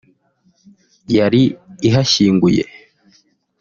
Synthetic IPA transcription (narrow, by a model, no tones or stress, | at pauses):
jaɾiːɦaʃiːŋɡujḛ